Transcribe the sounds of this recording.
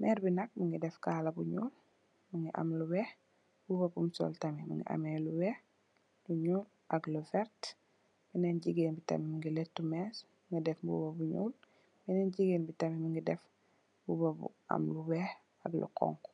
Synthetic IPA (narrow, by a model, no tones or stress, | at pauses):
mɛɾbinak̚miŋɡidɛfkalɐbuɲuːl | miŋɡiʔa̰mluwɛh | bubɐbumsɔ̰ltɐmimḭŋɡḭʔa̰meluwɛh | luɲuːl | ʔaɡlufɛɾt | b̥inɛnɟiɡeːnbitɐ̰mimiŋɡiletːumɛsmiŋɡidɛfbṵbɐbuɲṵːl | b̥inɛnɟiɡeːnbitɐmimiŋɡidɛf | bubɐbṵa̰mluwɛh | ɐ̰ɡlṵkɔ̰ŋk